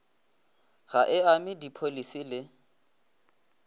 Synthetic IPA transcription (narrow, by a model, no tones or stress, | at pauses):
ɣaʔɪamɪdipʰolisilɪ